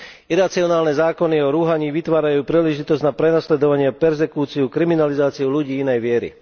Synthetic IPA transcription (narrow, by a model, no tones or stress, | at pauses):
iɾat͡siɔnaːlnɛzaːkɔniɔɾuːɦaɲiːʋit̪ʋaːɾajuːpɾiːlɛʒit̪ɔzɟnapɾɛnaslɛd̪ɔʋaɲɪɛpɛɾzɛkuːt͡siukɾiminalizaːt͡siuluɟiːinɛjʋɪɛɾḭ